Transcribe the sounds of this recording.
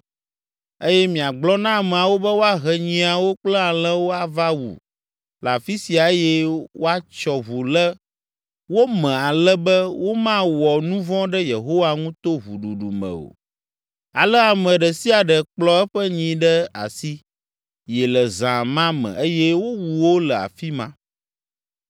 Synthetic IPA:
e˦jɛ˦mĩ˨a˨ɡ͡blɔ˦nã˦˨mɛ˨a˨wo˦bɛ˦wo˦a˦ɦɛ˨ɲĩ˦a˨wo˦k͡plɛ˦a˨lɛ̃˦wo˦a˨va˦wṵ˨ | la˨fi˦si˨a˨˦jɛ˦wo˦a˦t͡ʃɔ˨βu˨lɛ˦ | wo˦mɛ̃˨a˨lɛ˦bɛ˦wo˦mã˦wɔ˨nũ˦vɔ̃˦ɖɛ˦je˨ɦo˦wa˦ŋũ˦t̪o˦βṵ˨ɖu˨ɖu˨mə̰̃˨o̰˨ | a˨lə˦a˨mə̃˨ɖə˨si˦a˨ɖə˨k͡plɔ˦ɛ˦ɸə˦ɲĩ˨ɖɛ˦a̰˨si˦ | jɛ˨lə˨zã˨mã˦mə̰̃˨e˦jɛ˦wo˦wu˨wo˦lə˨a̰˨fi˦mã˦

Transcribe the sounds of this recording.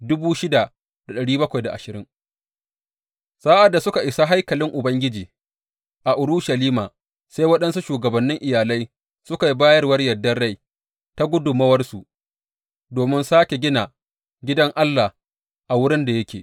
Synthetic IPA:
dʊ˦buː˦ʃɪ˦da˨ | d̥a˨ɗɐ˨ɽiː˦bɐ˦kʷa˨jda˨ʔa̰˨ʃɪ˨ɾɪ˦ŋ | saː˦ʔa˨dːa˨sʊ˦ka˨ʔɪ˨sa˦ɦa˦jkɐ˨lɪ˦ŋʔʊ˨bɐ˦ŋɡʲɪ˦d͡ʒiː˨ | ʔa˨ʔʊ˨ɾu˦ʃa˨liː˦maː˨ | sa˦jwɐ˦ɗɐ˦nsu˦ʃuː˨ɡɐ˨bɐ˨nːɪ˦ŋʔɪ˨jaː˨la˦j | sʊ˦ka˨ji˦baː˦jɐ˦rwɐ˦rjɐ˨dːɐ˦nɽa˦j | ta˦ɡʷʊ˦dʊ˨mɐ˦wɐ˦rsu˨ | doː˨mɪ˦nsaː˦kʲe˨ɡʲɪ˦na˨ | ɡʲɪ˦dɐ˦ŋʔa˦lːa˨ | ʔa˨wʊ˦ɽɪ˦nda˨jɐ˦kʲḛː˨

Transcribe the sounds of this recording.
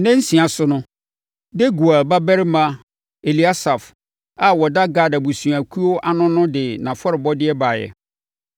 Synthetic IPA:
nɛ̃˦n̩˦sĩ˨a˨sʊ˦nʊ̃˦ | de˦ɡu˨a˨lba˦bæ˦ɾɪ˦mã˦ | e˨li˨a˦sa˨f | a˨wɔ˨da˦ɡa˨da˨bu˨sũ˨a˨kʰu˦o˦ʔa˦nʊ̃˦nʊ̃˦dɪ˨nã˨fɔ˦ɾɪ˨bɔ˦dɪ˦ɛ˦ba˨jɛ̰˨

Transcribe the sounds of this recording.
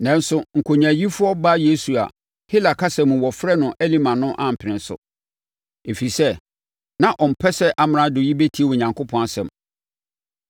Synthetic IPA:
nɛ̃˦n̩˦sʊ˨ŋ̩˨kʰo˨ɲæ̃˨ji˦fʊ˦ɔ˦ba˦je˦su˨a̰˨ | hɪ˦la˨kʰa˦sɛ̃˨mũ˨wɔ˨fɾɛ˦nʊ̃˨ʔæ˦li˦mã˨nʊ̃˦ʔã˨m̩˨pʰɪ˨nɪ̃˨sʊ̰˨ | e˨fi˨sɛ˦ | nã˨ʔɔ˨m̩˨pʰɛ˦sɛ˦ʔa˦m̃˦nã˦dʊ˨ji˦be˦tʰi˦e˨wɔ˨ɲã˨ŋkʰʊ˦pʰɔ̃˦a˨sɛ̰̃˨m

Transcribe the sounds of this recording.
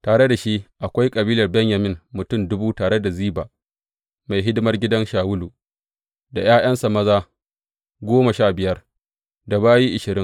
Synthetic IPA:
taː˨ɽe˦da˨ʃi˦ʔa˨kʷa˦jkʼɐ˨biː˦lɐ˨rbɛ˦ɲja˨mɪ˦ŋmʊ˨tʊ˦˨mdʊ˦buː˦taː˨ɽe˦da˨ziː˦baː˨ | ma˨jɦɪ˦dɪ˦mɐ˦rɡʲɪ˦dɐ˦nʃaː˨wʊ˦lu˨ | da˨j̰aː˦j̰ɐ˦nsa˨mɐ˦zaː˦ | ɡʷoː˦ma˨ʃaː˦bɪ˨jɐ˦r | da˨baː˦ji˦ʔɪ˨ʃɪ˨ɾɪ˦ŋ

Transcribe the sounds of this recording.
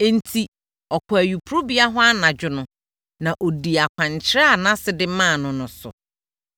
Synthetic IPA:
n̩˦tʰi˦ | ɔ˨kʰʊ˨æ˨ɥu˨pʰu˨ɾo˦bi˦a˦ɦɔ˦a˦nã˨d͡ʑᶣʊ˦nʊ̃˨ | nã˨ʔo˨di˨a˨kʷʰã˨ɲ˨t͡ɕʰɪ˦ɾɛ˦a˨nã˦sɪ˨dɪ˦mãː˦˨nʊ̃˨nʊ̃˨sʊ̰˨

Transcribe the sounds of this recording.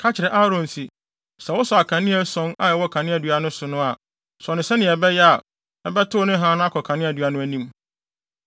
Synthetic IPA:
kʰa˦t͡ɕʰɪ˨ɾɛ˨ʔa˦ɾɔ̃˨n˨si˨ | sɛ˨wʊ˦sɔ˨a˨kʰã˨nɪ̃˦ɛ˦sɔ̃˦na˨jɛ˨wɔ˦kʰã˨nɪ̃˦æ˨dɥa˨nʊ̃˦sʊ˨nʊ̃˦a˨ | sʊ˨ɔ˨nɪ̃˨sɛ˦nɪ̃˨ɛ˨bɛ˦jɛ˦a˨ | ɛ˨bɛ˦tʰʊ˦nɪ̃˦ɦãː˦nʊ̃˦a˦kʰɔ˨kʰã˨nɪ̃˦æ˨dɥa˨nʊ̃˦æ˨nĩ˦m

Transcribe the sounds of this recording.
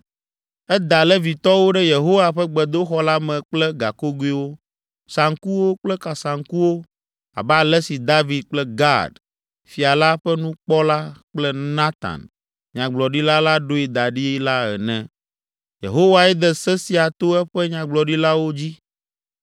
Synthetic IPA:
ɛ˦d̪a˨lɛ˦vi˨t̪ɔ˦wo˦ɖɛ˦je˨ɦo˦wa˨ɸɛ˦ɡ͡bɛ˨d̪o˦xɔ˦la˦mɛ̃˨k͡plɛ˦ɡa˨ko˦ɡu˦i˦wo˦ | sa˨ŋku˦wo˦k͡plɛ˦ka˨sa˨ŋku˦wo˦ | a̰˨ba˦˨lɛ˦si˨d̪a˦vi˨d̪̚k͡plɛ˦ɡa̰˦˨d | fi˨a˨la˦ɸɛ˦nũ˦k͡pɔ˦la˦k͡plɛ˦nã˦t̪a̰˨n | ɲã˨ɡ͡blɔ˨ɖi˦la˦la˦ɖo˦e˨d̪a˨ɖi˦la˦ɛ̰˨nɛ̰̃˨ | jḛ˨ɦo˦wa˨ɛ˦d̪ɛ˨sɛ˦si˦a˨t̪o˦ɛ˦ɸɛ˦ɲã˨ɡ͡blɔ˨ɖi˦la˦wo˦d͡ʑi˦

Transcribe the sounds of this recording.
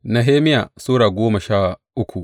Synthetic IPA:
na˨ɦeː˦mɪ˦jaː˨soː˦ɽaː˨ɡʷoː˦mɐ˨ʃaː˦˨ʔʊ˦kʷu˨ʔ

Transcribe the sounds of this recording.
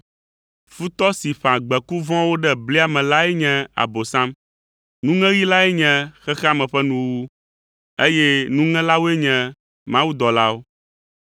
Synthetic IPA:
fu˦t̪ɔ˦si˨ɸã˨ɡ͡bɛ˨ku˦vɔ̃˦wo˦ɖɛ˦bli˦a˨mɛ̃˨la˦ɛ˦ɲɛ̃˦a̰˨bo˨sã˦m | nũ˦ŋɛ̃˦ɣi˦la˦ɛ˦ɲɛ̃˦xɛ˦xɛ˦a˦˨mɛ̃˨ɸɛ˦nũ˦wu˦ | e˦jɛ˦nũ˦ŋɛ̃˦la˦wo˦ɛ˦ɲɛ̃˨ | mã˦wu˦d̪ɔ˨la˦wo˦

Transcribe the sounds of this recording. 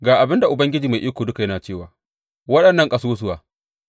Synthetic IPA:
ɡaː˨ʔa˨bɪ˦nda˨ʔʊ˨bɐ˦ŋɡʲɪ˦d͡ʒiː˨ma˨jʔi˦koː˨dʊ˦ka˨jɐ˦naː˨t͡ʃeː˦˨waː˨ | wɐ˦ɗɐ˨nːɐ˦˨ŋkʼɐ˨soː˦s̬ʊ˦waː˨

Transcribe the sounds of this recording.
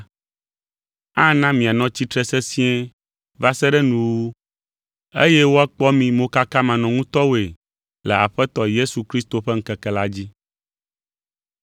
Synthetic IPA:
ã˦nã˦mĩ˨a˨nɔ̃˦t͡ɕi˦t̪ɾɛ˦sɛ˦si˦ɛ̃˦ | va˦sɛ˦ɖɛ˦nũ˨wo˦ | ḛ˦jɛ˦wo˦a˦k͡pɔ˦mĩ˨mõ˦ka˦ka˦mã˨nɔ̃˨ŋũ˦t̪ɔ˦wo˦e˨ | lɛ̰˨a̰˨ɸɛ˦t̪ɔ˨je˦su˨kɾi˦st̪o˨ɸɛ˦ŋ̩˦kɛ˨kɛ˨la˦d͡ʑi˦

